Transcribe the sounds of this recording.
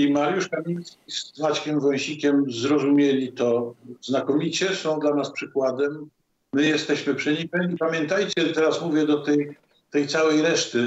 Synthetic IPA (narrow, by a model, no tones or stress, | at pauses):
imaɾjuʂkamʲijskʲisvat͡ɕkʲɛmvɔj̃ɕikʲɛmzɾɔzumʲjelʲit̪ɔznakɔmʲit͡ɕɛsɔ̃w̃d̪lanaspʂɘkwad̪ɛmː | ɘjɛst̪ɛɕmɘpʂɘɲikɛɲipamʲjɛnt̪ajt͡ɕɛt̪ɛɾasmuvʲjɛd̪ɔt̪ɛj | t̪ɛjt̪sawɛjɾɛʂt̪ɘ